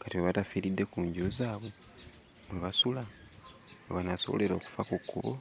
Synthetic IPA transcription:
katiβweβatafiɾidːe̞kuːɲɟozaːβo̞ | mweβasula | oβanaso̞βo̰le̞ɾo̞ːku̥fakukːuβo̰

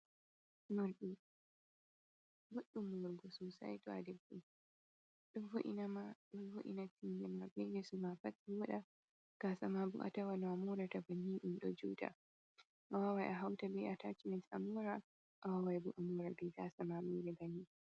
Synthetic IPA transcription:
muɾɗu | bɔɗːumuɾɡɔsusa̰jtɔa̰dɛbːu | ɗunvuʔḭnamaɗunvuʔḭnatindɛmabɛdɛsumafatiwɔɗa | ɡ̥asamabṵʔa̰tawanɔamuɾatabaniːɗumɗɔd͡ʒuːta̰ | ʔawawajʔaɦawtabɛʔatat͡ʃimɛsʔamuːɾa | ʔawawajbuʔamuːɾabɛɡasamamuːɾɛbani

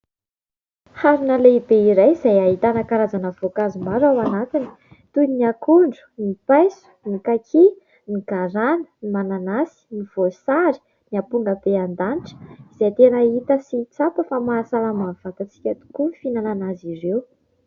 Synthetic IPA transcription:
haɾinaleibeiɾajzajaɦit̪anəkaɾazanəv̥okazumaɾawanat̪ini̥ | t̪uniakuɳɖ͡ʐu̥nipajsu̥nikakʰi | niɡaɾanə̥nimananasi̥niv̥osaɾi̥ | niapuŋɡəb̥eand̪aniʈ͡ʂə̥iz̥ajt̪enait̪əsit͡sapəfamaːsalamav̥at̪at͡si̥kʲət̪u̥kunifinananazirew

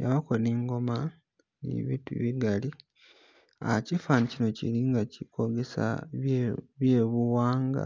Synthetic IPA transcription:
jaβakoniŋɡo̞ma | nḭβitṵβiɡali | a̰cifanicino̞cḭɾiŋɡacikʰo̞ɡesa̰ | βjeːβuwaːŋɡa̰

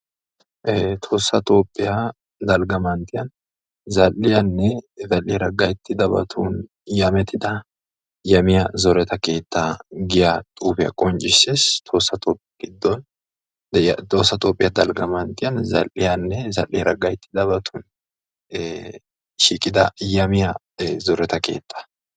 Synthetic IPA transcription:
ʔt̪ʰo̞ːsːɐt̪o̞ːpʼːɪja | d̪ɐlɡɐmant̪ʰɪjɐn | zɐlːɪjɐnːɛzɐlːɪɾɐɡɐjɪt̪ʰːɪd̪ɐbɐ̰t̪ʰuːn | jɐmɛt̪ɪd̪ɐ | jɐmɪjɐzɔɾɛt̪ɐke̞ːt̪ʰːaɡɪjat̪ʼuːfɪjɐ̰kʼɔnt͡ʃʼɪsest̪ʰo̞ːsːɐt̪ʼoːpʼːɪjɐɡɪd̪ːɔn | jt̪o̞ːsːɐt̪ʼo̞ːpʼːɪjɐd̪ɐlɡɐmɐnt̪ɪjɐnzɐ̰lʔɪjɐnːɛzɐ̰lʔɪjɾɐɡɐjɪt̪ːɪd̪ɐβɐt̪ʰuːn | ʃiːkʼɪd̪ɐjɐmɪjɐ | zɔɾɛt̪ɐke̞̰ːt̪ʰːɐ̥

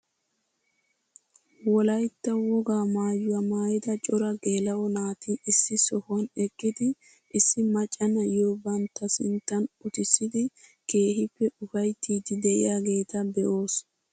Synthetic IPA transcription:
wɔlɐjt̪ːɐwɔɡaːmaːjʊwɐmaːjɪd̪ɐt͡ʃʼɔɾɐɡeːlɐwɔnaːt̪iɪsːɪsɔhʊɐnɛkʼːɪd̪ɪ | ʔɪsːɪmɐt͡ʃʼːɐnɐjoːbɐnt̪ːɐsɪnt̪ːɐnʊt̪ɪsːɪd̪ɪke̞ːɦɪpːɛʊfɐjt̪ːiːd̪ɪd̪ɛʔɪ̰jaːɡe̞ːt̪ɐbɛʔo̞ːs

